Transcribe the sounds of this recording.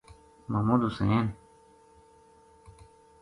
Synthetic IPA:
mɐmud̪useen

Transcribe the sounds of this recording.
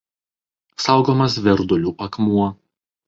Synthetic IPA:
sɑˑʊɡoːmɐs̬ʋʲɛɾd̪ʊlʲuːʔɐkmuɔ

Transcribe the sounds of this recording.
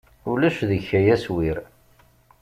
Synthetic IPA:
ʊlæʃðəçːæjæswiɾ

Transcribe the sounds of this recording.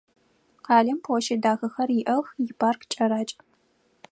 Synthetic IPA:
qɑːɮɐmpʰɔʃɐdaːxɐxɐrjɪʔɐxjɪpʰaːrkʰt͡ʃʼɐɾaːt͡ʃʼ

